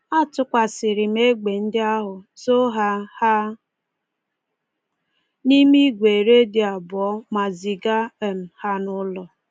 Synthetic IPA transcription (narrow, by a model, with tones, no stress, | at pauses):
a˦tʊ˦kʷa˨sɪ˨ɾɪ˨m̩˦e˦ɡ͡be˨n̩˦dɪ˦a˦ɦʊ˨zo˦ɦa˦ha˦ | ni˦mi˦ɡʷe˨ɾe˦dɪ˨a˨bʊ˨ɔ˦ma˨zi˨ɡa˦˨m̩˨ha˦nʊ˦lɔ˨